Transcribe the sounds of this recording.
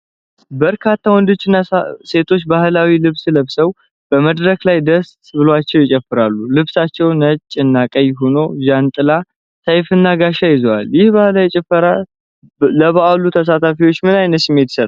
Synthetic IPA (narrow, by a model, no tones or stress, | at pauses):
bəɾkʰat̪ʰːawɔnd̪ɨt͡ʃːɪnːase̞t̪ʰo̞t͡ʃːbahlawilɨβsləβsəw | b̥əməd̪ɾəklajd̪əst̪ʼbɨloat͡ʃːɛwjɪt͡ʃʼɛfːɨɾalːulɨβsat͡ʃːɛwnət͡ʃʼːɨnːakʼəjɦono̞ʒant̪ʼɨla | sajfɨnːaɡaʃajɪzowa̰ljɪhbahlajɛt͡ʃʼɛfəɾa | ləβaalːut̪ʰəs̬at̪ʰafiwo̞t͡ʃːmɨnajnət̪sɨmːe̞t̪jɪ̥sət̪ʼ